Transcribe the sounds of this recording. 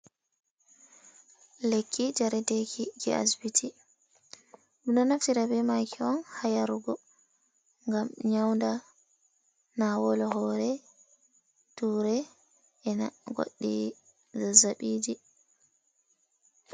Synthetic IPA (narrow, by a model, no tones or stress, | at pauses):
lekʰːid͡ʒaɾɛdekʰiɡɛ̰a̰sbitʰi | unɔnaftiɾabɛmajkɛɔnhajaɾuɡɔ | ŋɡamɲawnda | nawɔlɔɦɔɾɛ | tuːɾɛ | ʔɛna̰ɡo̰ɗːḭ | zazaɓiːd͡ʒi